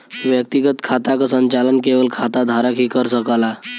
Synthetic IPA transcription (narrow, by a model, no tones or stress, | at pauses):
ʋjək̚t̪iɡət̪kʰat̪akəsəɲt͡ɕalənkeʋəlkʰat̪ad̪ʱaɾəkɦiːkəɾsəkala